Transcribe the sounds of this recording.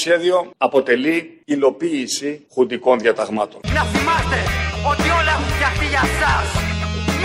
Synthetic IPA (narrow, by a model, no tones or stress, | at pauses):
sçe̞ðio̞ɐpo̞t̪e̞liilo̞piːsixund̪iko̞nðjɐt̪ɐɣmɐt̪o̞nnɐθimɐst̪e̞o̞t̪io̞lɐexũnɐxt̪iʝɐsɐs